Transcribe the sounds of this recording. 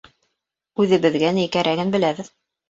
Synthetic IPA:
ʉðɘ̆βɘ̆ðɡænækæɾʔæɡɘnbɘ̆læβɘð

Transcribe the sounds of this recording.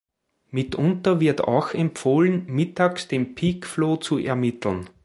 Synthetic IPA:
mɪtʔʊ̃ntɐvɪɐta̰ʊxɛmpfoːlənmɪtaːksd̥eːmpʰiːkfloːt͡suʔɛɐmɪt̪l̩n

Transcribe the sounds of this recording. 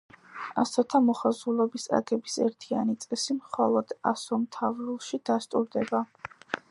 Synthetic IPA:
a̰sɔt̪ʰamɔχazulˠɔbisa̰ɡɛbisɛɾt̪ʰia̰nit̪sʼɛsimχɔlˠɔd̪̥a̰sɔmt̪ʰavɾulˠʃid̪̥ast̪ʼuɾd̪ɛba

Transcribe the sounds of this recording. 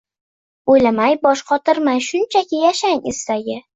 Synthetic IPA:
ojlamajbɒʃqʰɒt̪ɪɾmajʃʊnt͡ʃʰakʲɪjaʃaŋest̪aɡʲɪ

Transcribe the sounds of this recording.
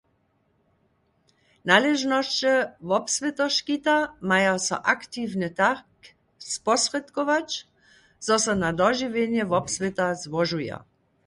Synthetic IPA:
nalɛʒnɔʃt͡ʃɛʋɔpsʋɛt̪ɔʃkit̪amajasɔ̰ʔakt̪iʋnɛt̪ak | spɔsrɛt̪kɔʋat͡ʃ | zɔsɔnad̪ɔʒiʋenjɛʋɔpsʋet̪azʋɔʒuja̰

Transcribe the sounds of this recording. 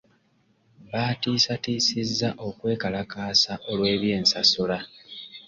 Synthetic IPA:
βaːtiːsatiːsizːaʔo̞kwe̞ːkalakaːsaʔo̞lwe̞ːβje̞ːnsasula

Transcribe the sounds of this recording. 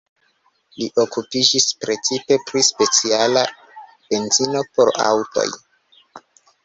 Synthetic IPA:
liʔo̞kupid͡ʒispɾe̞t͡sipe̞pɾispe̞t͡siala | b̥e̞nzino̞po̞ɾa̰wto̞̰j

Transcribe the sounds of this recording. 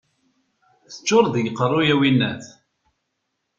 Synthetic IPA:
θə̥t͡ʃːʊɾˤðəjəqːərˤːʊjæwinːæθ

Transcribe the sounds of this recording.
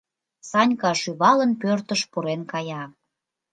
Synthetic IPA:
sɑnʲkɑʃyβɑlənpørt̪əʃpuɾenkɑjɑ

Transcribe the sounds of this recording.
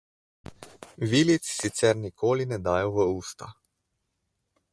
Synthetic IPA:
ʋiːlit̪ssit̪sɛɾnikʰoːlinɛd̪aːjɔʋəuːst̪a̰

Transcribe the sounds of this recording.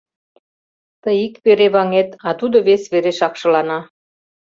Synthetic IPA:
t̪əjikpeɾeβɑŋet̪ɑt̪ud̪oβesβeɾeʃɑkʃɤ̆lɑnɑ

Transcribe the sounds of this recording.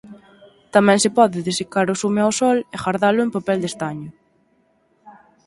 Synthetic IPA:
t̪amɛ̃ŋsɪpɔðɪðesikaɾʊsumeawsɔlexaɾðalʊempapɛld̪est̪aɲʊ

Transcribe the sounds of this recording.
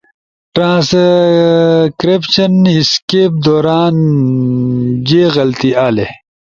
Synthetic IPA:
ʈɾãːs | kɾepɕɐniskeːp̚d̪oːɾaːn | d͡ʑeːɣɐlt̪iaːle

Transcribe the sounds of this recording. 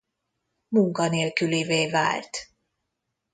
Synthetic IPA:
muŋkɒneːlkyliveːva̰ːlt̪

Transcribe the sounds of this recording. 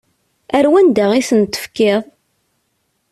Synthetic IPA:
æɾwænd̪aʁisənt̪ːə̥fkɪðˤ

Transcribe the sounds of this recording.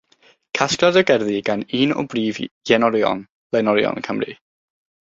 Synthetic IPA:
kʰaskladəɡɛrðiɡaniːnɔ̰briːvjɛnɔɾjɔ̰n | lɛnɔɾjɔ̰nkʰəmrḭ

